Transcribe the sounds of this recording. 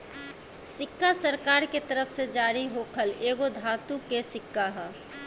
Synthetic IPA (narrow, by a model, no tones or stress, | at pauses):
sɪkːasəɾkaːɾket̪əɾəpʰsed͡ʒaːɾiɦokʰəleːɡod̪ʱaːt̪ukesɪkːaɦɛ